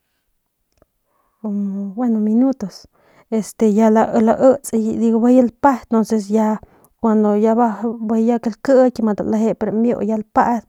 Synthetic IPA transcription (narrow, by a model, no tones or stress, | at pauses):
kombwenominut̪os | est̪ejalaʔlaʔət͡sʼd̪iɡobajəlpat̪onses̬ja | kʷand̪ojababajakelkəkʲemad̪a̰laɦepeɾomjo̰jalpad̪